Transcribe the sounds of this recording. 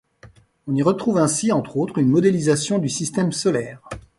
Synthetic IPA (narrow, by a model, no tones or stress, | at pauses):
ɔ̃niʁət̪χuvɛ̃siɑ̃t̪χot̪χynmɔd̪elizasjɔ̃d̪ysist̪ɛmsɔlɛːʁ